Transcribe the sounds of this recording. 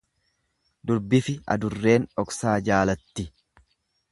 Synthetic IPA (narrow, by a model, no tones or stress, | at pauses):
d̪ʊɾbɪfɪɐ̰d̪ʊrːe̞ːnɔksaːd͡ʒaːlɐt̪ːɪ